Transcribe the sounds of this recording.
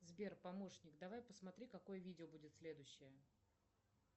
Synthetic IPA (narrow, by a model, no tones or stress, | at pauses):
zbʲe̞rpɐmo̞ʂnʲɪkd̪ɐvajpəsmɐt̪ɾʲikɐko̞jəvʲidʲɪobudʲɪt̪sʲlʲed̪ʊɕːɪjə